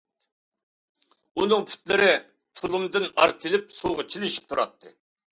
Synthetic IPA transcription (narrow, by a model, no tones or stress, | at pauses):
unɨŋpʰy̥t̪lɪɾɪ | t̪ʰʊlˠumd̪ɨnɑɾt̪ʰɨlɪp̚soʁɑt͡ʃʰilɪʃi̥p̚t̪ʰuɾɑt̪ʰːɨ